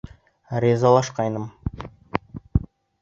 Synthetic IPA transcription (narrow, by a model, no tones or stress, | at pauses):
ɾʲezɑlˠɑʃqɑjnəm